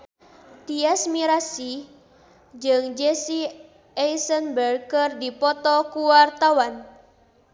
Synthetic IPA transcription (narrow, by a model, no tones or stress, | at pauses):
t̪iɛsmiɾasi | d͡ʒɨŋd͡ʒesi | ɛjsənbərkərdipɔt̪ɔkuwart̪awan